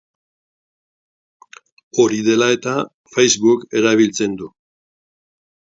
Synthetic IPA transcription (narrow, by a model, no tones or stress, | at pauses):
o̞ɾiðe̞lae̞t̪a | fejzβuke̞ɾaβ̞ilt͡se̞nd̪u